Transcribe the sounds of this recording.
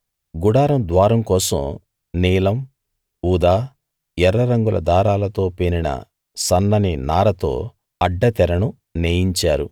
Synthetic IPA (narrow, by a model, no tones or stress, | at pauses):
ɡuɽaːɾɐmd̪ʋaːɾɐmkɔːsɐ̰m | niːlɐm | uːd̪aː | ɛɾːɐɾɐŋɡulʔɐ̰d̪aːɾaːlɐt̪o̞ːpeninɐ̰ | sɐnːɐninaːɾɐt̪o̞̰ː | ɐɖːɐt̪ɛɾɐnu | neːjiɲt͡ʃaːɾu